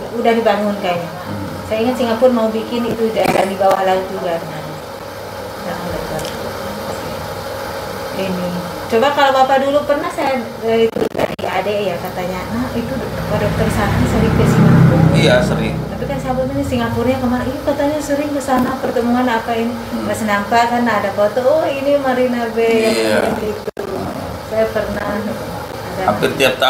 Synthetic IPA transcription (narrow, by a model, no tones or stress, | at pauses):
udahdibaŋʊnkaja | sajaiŋət̪siŋɡapʊrmaubikɪnit̪ud͡ʒalandibawahlaut̪̚d͡ʒuɡadəŋana | daŋaladibawa̰uapasḭ | inɪ | t͡ʃobakalobapadulupərnahsaja | dait̪ṵda̰dia̰deʔjakat̪aɲanahit̪u | əpadat̪ərsanansaɾiŋpesiŋapurijasəɾɪ̰ŋt̪apikansabʊt̪inisiŋɡapurɲakəmaɾaniakat̪aɲasəɾɪŋbəsanapərt̪əmuŋanapaini | məsinampaʔkanaːdafot̪ɔɔhinimaɾinabejaiait̪uu | sajapərnah | asaapit̪iap̚t̪a